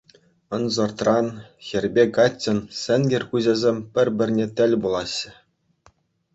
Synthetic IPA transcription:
ɤ̆nzɤ̆rt̪rɑnxʲɘ̆rʲbʲekɑt͡ɕʲːɘ̆nsʲɘ̆nʲɡʲɘ̆rʲkuʑʲĕzʲemʲpʲɘ̆rʲbʲɘ̆rʲnʲet̪ʲɘ̆lʲbulˠɑɕːɘ̆

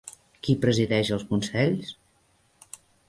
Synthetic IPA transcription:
kipɾəziðɛʃəlˠskunsɛʎs

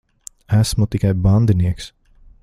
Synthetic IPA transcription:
æsmut̪ikajband̪iniɛks

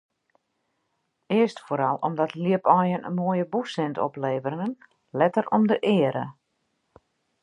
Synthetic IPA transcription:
ɪəstfoːɾɑlˠɔ̰mdɔtliəpɔjənə̰nmoəjəbusɪntɔ̰pleːvəɾɪŋən | lɛtərɔmdəʔɪəɾə̰

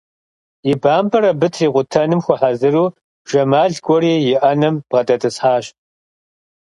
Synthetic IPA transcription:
ibaːmbɐɾɐbɨtʰriːqʷʊtʰɐnɨmxʷɔħazɨruː | ʒ̥ɐmaːɮɡʷʼɔɾiːjɪʔɐnɐmb̥ʁɐdʼɐtʰʼɨsħaːɕ

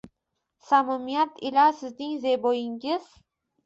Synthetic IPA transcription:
samʊmijat̪ʰɪlasɪznɪŋzebojɪŋɪz̥

